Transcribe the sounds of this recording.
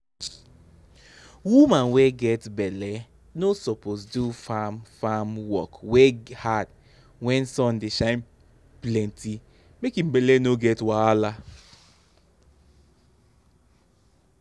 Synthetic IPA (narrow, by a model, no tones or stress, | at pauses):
wumãnweɡɛtbɛlɛ | nosɔposdufamfamwɔkwehad | wɛ̃nsɔ̃ndeʃãɪ̃n | plɛ̃ntʰi | mekim̩bɛlɛnoɡɛtwala